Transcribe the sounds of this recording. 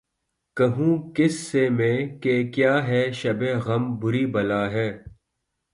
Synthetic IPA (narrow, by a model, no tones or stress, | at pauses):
kɐɦũːkɪsːemẽːkekjaːɦɛːʃɐbeɣɐmbʊɾiːbɐlaːɦɛː